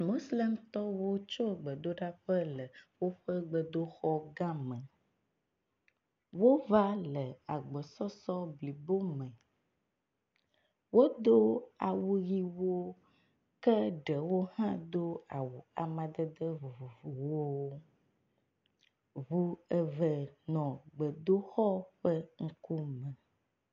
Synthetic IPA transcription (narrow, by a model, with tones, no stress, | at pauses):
mo˦sle˦mt̪ɔ˦wo˦t͡ʃo˦ɡ͡bə˨d̪o˦ɖa˦ɸə˦lə˨wo˦ɸə˦ɡ͡bə˨d̪o˦xɔ˦ɡã˦mə̃˨ | wo˦va˦lə˨a˨ɡ͡bə˨sɔ˦sɔ˦bli˨bo˦mə̃˨ | wo˦d̪o˦a˨wu˨ɣi˦wo˦ | kɛ˦ɖɛ˨wo˦hã˦d̪o˦a˨wu˨a˨mã˨d̪ɛ˦d̪ə˦vu˨vu˨vu˨wo˦ | vu˦ɛ˦vɛ˨nɔ̃˨ɡ͡bə˨d̪o˦xɔ˦ɸɛ˦ŋ̩˦ku˦mɛ̃˨